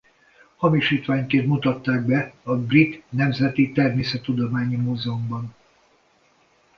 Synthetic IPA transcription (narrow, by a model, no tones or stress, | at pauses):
hɒmiʃiːt̪ʋaːɲkeːnt̪mut̪ɒt̪ːaːɡ̚bɛɒbrit̪nɛmzɛt̪it̪ɛrmeːsɛt̪ːud̪omaːɲimoːzɛombɒn